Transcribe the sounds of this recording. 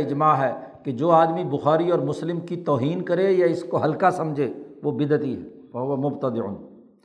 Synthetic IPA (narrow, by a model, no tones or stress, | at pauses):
ɪd͡ʒmaɦɛːked͡ʒoːaːd̪mibʊxaːɾiɔːɾmʊslɪmkit̪ɔːɦiːnkɐɾejaɪskoɦɐlkasɐ̃md͡ʒʱeːʋobɪd̪t̪iɦɛ̰ | ʋɐɦʊʋɐmʊbt̪əd̪ɪʕʊ̰n